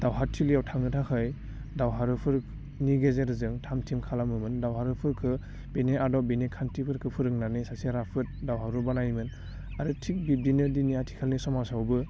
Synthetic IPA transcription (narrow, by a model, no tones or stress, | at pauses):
d̥awɦatʰːiliawtʰaŋnɯtʰakʰɯj | dawɦaɾɯpʰɯɾk̚ | niɡezeɾɯzɯŋtʰamtʰimkʰalamɯmɯndawɦaɾɯpʰɯɾkʰɯ | b̥eneʔadɔbinekʰantʰipʰɯɾkʰɯpʰɯɾɯŋnanɯsasiɾapʰɯt̚dawɦaɾubanajmɯn | aɾɯtʰik̚bidinɯdiniatʰi̥kʰalnisɔmawsawbɯ